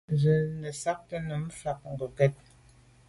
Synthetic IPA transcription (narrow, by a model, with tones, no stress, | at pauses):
zə˨nə˨sa˦k̚tə˦nə˨m˦fa˨k̚ŋ̩˨ɡə˨kɛ˦t̚